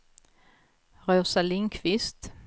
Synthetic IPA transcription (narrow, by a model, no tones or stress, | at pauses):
ʁœːsalɪŋkʰvɪst̪